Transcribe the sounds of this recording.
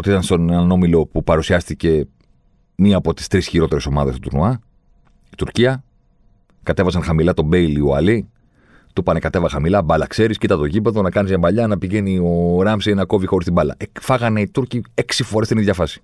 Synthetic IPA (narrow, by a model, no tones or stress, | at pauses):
ot̪iit̪ɐnsonenɐno̞milo̞pupɐɾusiɐst̪ice̞ | miɐːpo̞t̪i̥st̪ɾisçiɾo̞t̪e̞ɾe̞so̞mɐðest̪ot̪uɾnoɐ | it̪uɾciɐ | kɐt̪e̞vɐsɐnxɐmilɐt̪o̞be̞ilioɐ̰li | t̪upɐnekɐt̪e̞vɐxɐmilɐbɐlɐkse̞ɾiscit̪ɐt̪o̞ʝipe̞ðo̞nɐkɐnizʝɐmbɐʎɐnɐpiʝe̞nio̞ɾɐmseinɐko̞vixo̞ɾist̪ibɐlɐ̰efɐɣɐne̞it̪uɾcie̞ksifo̞ɾet̪iniðʝɐfɐsi̥